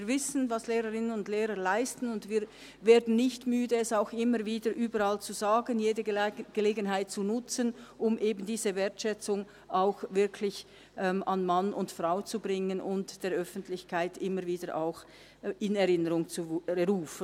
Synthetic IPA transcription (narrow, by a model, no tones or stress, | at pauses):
iːvɪsən̩vasleːʁəʁɪnənʊndleːʁəlaɪstn̩ʊndviːɾ | veːɐdn̩nɪçtmyːdəɛsaʊxɪməɾviːdəɾʔyːbəɾalt͡suzaːɡənjeːdəɡ̥əleːɡənɦaɪt̚t͡sunʊt͡sənʔʊmʔeːbn̩diːzəveːɐtʃɛt͡sʊŋ | ʔaʊxvɪɐkʰlɪç | ʔɛːmʔanmanʔʊntfʁaʊt͡subʁɪŋənʔʊntd̥eːɾʔœfn̩tʰlɪçkʰaɪtɪməviːdəɾʔa̰ʊx | ɪnɛʁɪnəɾʊŋt͡suəʁuːfən